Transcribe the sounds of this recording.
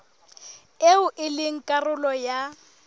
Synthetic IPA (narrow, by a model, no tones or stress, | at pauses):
eʊʔɪlɪŋ̩kʼarʊlɔja